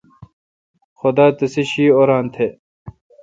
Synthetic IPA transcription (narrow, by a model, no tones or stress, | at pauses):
xod̪aːt̪ɐseɕiːoɾaːnt̪ʰe